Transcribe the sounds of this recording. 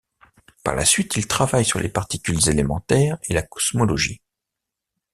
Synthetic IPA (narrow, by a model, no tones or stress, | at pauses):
pa̰ʁla̰sɥit̪ilt̪χavajsyʁlʔepaʁt̪ikʲylzelemɑ̃t̪ɛːʁelakɔ̥smɔlɔʒḭ